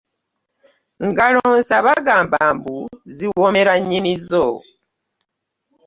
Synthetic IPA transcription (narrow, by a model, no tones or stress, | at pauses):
ŋɡaloːnsaβaɡaːmbaːmbuziwomeɾaɲinizo